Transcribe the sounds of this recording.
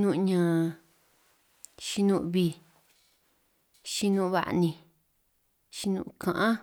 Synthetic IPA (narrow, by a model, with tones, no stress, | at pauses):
nũ˦˧ʔɲã˨˧ | ʃi˧nũ˧ʔβi˧ | ʃi˧nũ˦˧βa̰˧˨ʔnĩ˧ | ʃi˧nṵ̃˧kʰã˨ʔã˦